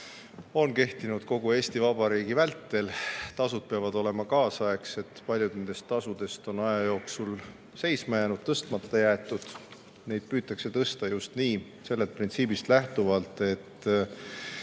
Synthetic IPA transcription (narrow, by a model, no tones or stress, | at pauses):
o̞nke̞ht̪inud̪̥ko̞ɡ̥ue̞ːst̪ivɑb̥ɑɾiːɡ̥ivælt̪ːe̞lt̪ɑsud̪̥̚peɑvɑd̪o̞le̞mɑkɑːsɑe̞kse̞t̪ːpɑlʲjud̪̥ne̞nd̪e̞st̪ːɑsud̪̥e̞st̪o̞nɑjɑjo̞ːksul | se̞jsmɑjenud̪̥̚t̪ːɤst̪mɑt̪ːˑɑjæet̪ːˑud̪̥ | ne̞jd̪̥̚pyːt̪ːˑɑkse̞t̪ɤst̪ɑjust̪niː | se̞lːet̪̚print̪siːbist̪læht̪uvɑlt̪ˑe̞t̪ːˑ